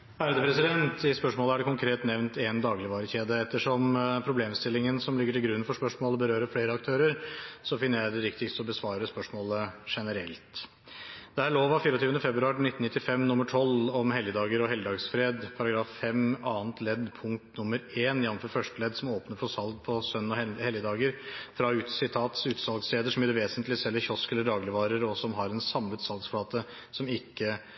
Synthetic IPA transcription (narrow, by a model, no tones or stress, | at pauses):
hæɾəd̪əpʰɾɛsɪd̪ɛnt̪ɪspœʂmoːləæɖɛkʊŋkʰɾeːt̪nɛʋnt̪ɛnd̪ɑːɡlɪʋɑːɾəçeːd̪əɛt̪ːəʂɔmpʰɾʊbleːmst̪ɪlːɪŋənsɔmlɪɡəʈʰɪlɡɾʉnːfɔʂpœʂmoːləbəɾøːɾəfleːɾəɑkt̪ʰøːɾəɾsɔfɪnːəɾjæɪd̪ɛɾɪkt̪ɪksɔbəsʋɑːɾəspœʂmoːləʂɛnəɾɛ̰lt̪ | d̪̥ɛæɭoːʋɑfiːɾɔt̪yːʋənəfɛbɾʉɑːɾnɪt̪ːnɪt̪ːɪfɛmnʊmːəʈʰɔlɔmhɛljəd̪ɑːɡəɾɔɦɛləd̪ɑːɡsfɾeːd̪pʰɑɾɑɡɾɑːffɛmɑːnt̪ʰlɛd̪pʰʊŋkt̪nʊmːəɾeːnjɑnːmfɔɾfœʂʈəlɛd̪sɔmoːpnəfɔsɑlɡ̚pʰɔsœnnɔhɛljəd̪ɑːɡəɾfɾɑʉːt̪sɪt̪ʰɑːt̪sʉːt̪sɑlɡsleːd̪əʂɔmjɛːɾəʋeːsənt̪lɪsɛlːəɾçɔskɛlːəɖɑːɡlɪʋɑːɾəɾɔsɔmɦɑɾɛnsɑmːʉːt̪sɑlɡsfɽɑːt̪ə | sɔmɪkːə